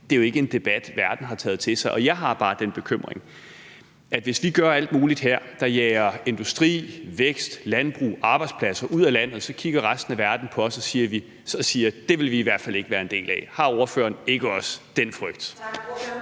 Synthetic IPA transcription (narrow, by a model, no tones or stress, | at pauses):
d̥e̝æjoe̝ɡ̥əe̝nd̥e̝b̥æd̥ʋæɐd̥n̩ɦɑ̈t͡sʰɛ̰ːðˠt͡sʰe̝sɑ̈ɪʔɒ̽jɑ̈ɪɦɑ̈b̥ɑ̈ːd̥enb̥e̝kʰøm̰ʁeŋ | æd̥ʋe̝sʋiɡ̥ɶɐæl̰d̥̚muːlid̥ɦeɐ̰d̥ɑ̈jɛːɐe̝nd̥usd̥ʁḭːʋeɡ̥sd̥lænb̥ʁṵːɑ̈ːb̥ɑ̈ɪd̥spʰlæsɐʔuð̞̰ˠælæn̰ð̩ˠsɒ̽kʰiɡ̥ɐʁasd̥n̩æʋæɐd̥n̩pʰɒ̽ɒ̽sɒ̽siːɐʋi | sɒ̽siːɐd̥e̝ʋe̝lʋiːʋæɐ̰d̥fæle̝ɡ̥əʋæːɐe̝nd̥e̝̰ːlɛ̰hɑ̈oɐfø̰ːɐne̝ɡ̥əɒ̽sd̥en̰fʁœɡ̥̚d̥